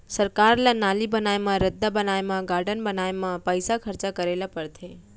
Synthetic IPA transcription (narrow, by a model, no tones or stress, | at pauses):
səɾkaɾlanalibənaemãɾəd̪ːabənaemãɡaɾɖənbənaemãpəjsakʰəɾt͡ʃakəɾelapəɾt̪ʰe